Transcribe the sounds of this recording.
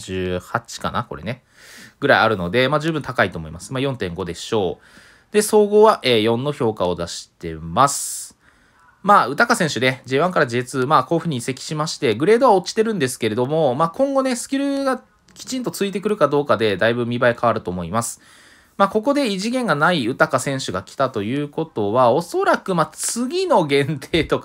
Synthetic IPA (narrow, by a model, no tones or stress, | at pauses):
ʑɨːhat͡ɕi̥ka̰na̰ko̞̰ɾene̞ | ɡ̥ɯ̟ɾaia̰ɾɯ̟no̞d̪e̞maːd͡ʑɨːbɯ̟nt̪akait̪o̞ːmo̞̰ḭmasɨ̥maːjõ̞nt̪ẽ̞ŋɡo̞d̪e̞ɕo̞ː | d̪̥e̞so̞ːɡo̞ːβaʔeːjõ̞nːo̞ço̞ːkao̞d̪aɕi̥t̪e̞masɨ̥ | maːɯ̟t̪akasẽɕɨ̟d̪e̞d͡ʑeːβãŋkaɾad͡ʑit͡sɨmaːko̞ːɸɯ̟ɲ̟ise̞kʲi̥ɕimaɕi̥t̪e̞ɡɯ̟ɾe̞ːd̪oβao̞t͡ɕi̥t̪e̞ɾɯ̟̃nd̪e̞sɨ̥ke̞ɾe̞d̪o̞mo̞maːkõ̞ŋɡo̞ne̞sɨ̥kʲiɾɯ̟ɡa | kʲi̥t͡ɕĩnt̪o̞t͡sɨit̪̬e̞kɯ̟ɾɯ̟kad̪o̞ːkad̪e̞d̪aibɯ̟mʲibaikʰaβaɾɯ̟t̪o̞ːmo̞imasɨ̥ | maːko̞ko̞d̪e̞iʑiɡẽ̞ŋɡanaiɯ̟t̪akasẽ̞ɰ̃ɕɨɡakʲi̥t̪at̪o̞jɯ̟ːko̞t̪o̞βao̞so̞ɾakɯ̟mat͡sɨɡʲino̞ɡẽ̞nt̪ʰe̞ːt̪o̞k